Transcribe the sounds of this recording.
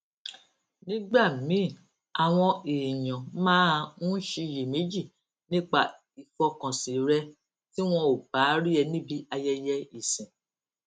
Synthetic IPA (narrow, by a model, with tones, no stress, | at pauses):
nĩ˦ɡ͡ba˦˨mĩ˨˦˨ | a˨w̃ɔ̃˧eː˨jɔ̃˨mãː˦˧nũ˦ʃi˧˨je˨me˨˦d͡ʒi˦˨ | nĩ˦k͡pa˦˨ | i˨fɔ˧kã˨sĩ˨ɾɛ˧˦ | ti˦w̃ɔ̃˧o˨ba˨˦ɾi˦ɛ˧nĩ˦bi˧˦a˧jɛ˧jɛ˧i˦˨sĩ˨